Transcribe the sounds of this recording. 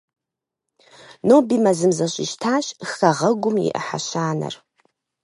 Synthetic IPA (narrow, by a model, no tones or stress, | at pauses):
nobimazɨmzaɕʷʼiʃtʰaʃxaʁəɡʷʊmḭʔħa̰ʃʷaːna̰r